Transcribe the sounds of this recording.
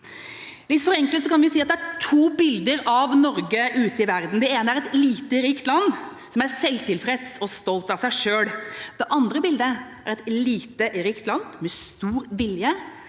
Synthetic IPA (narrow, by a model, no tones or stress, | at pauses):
lɪt̪fɔɾɛŋkəlt̪sɔkɑnʋɪʊsiːɑt̪̚d̪ɛæʈʰuːbɪld̪əɾɑʋnɔɾɡəʔʉːt̪əɪʋæɾd̪n̩d̪ɛeːnəæɾɛt̪liːt̪əɾiːkt̪lɑnː | sɔmæɾsɛlt̪ʰɪlpʰɾɛt̪sɔst̪ɔlt̪ɑʋsæɪʂøːɽd̪ɛʔɑnd̪ɾəbɪld̪əʔæɾɛt̪liːt̪əɾiːkt̪lɑnd̪mɛst̪uːɾʋɪljə